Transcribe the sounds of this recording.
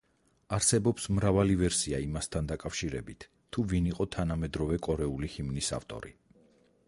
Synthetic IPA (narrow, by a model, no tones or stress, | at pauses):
aɾsɛbɔpsmɾavalivɛɾsiaimast̪ʰand̪akʼafʃiɾɛ̰bit̪ʰːuviniqʼɔt̪ʰanamɛd̪ɾɔvɛkʼɔɾɛulihimnisa̰ft̪ʼɔ̰ɾḭ